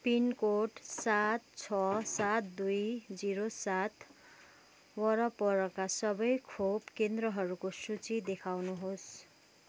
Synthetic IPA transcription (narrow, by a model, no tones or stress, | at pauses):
pinkoʈsat̪̚t͡sʰʌsat̪d̪ujd͡ziɾosat̪ | wʌɾʌpʌɾʌkasʌbʌjkʰobkend̪rʌɦʌɾukosut͡sid̪ekʰawnuɦos